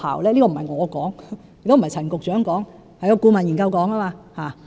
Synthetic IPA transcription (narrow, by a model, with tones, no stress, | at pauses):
a̰ː˨˩wlɛː˥li˥kɔ˧m˨˩˨ɐ˨jŋɔː˨˧kɔː˨˥ŋ | jɪ˨t̪m̩˨jt͡sʰɐ˨˩nkʊ˨k̚t͡ʃœː˨˥ŋkɔː˨˥ŋ | hjɔ˧kuː˧mɐ˨˩nji˨˩ŋkɐ˧wkɔː˨˥ŋaː˥maː˧haː˨˩